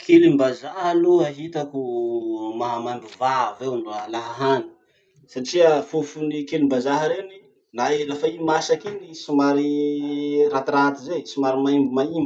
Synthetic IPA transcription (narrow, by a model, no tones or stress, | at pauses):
kʰelimbazaɦaluaɦit̪aku | maɦamambuvavewanalaɦaɦani̥ | saʈ͡ʂiəfufunikelimbazaɦəɾeni | naelafaimasakinisimaɾi | rat̪iɾat̪izesimaɾimaimbimaimbi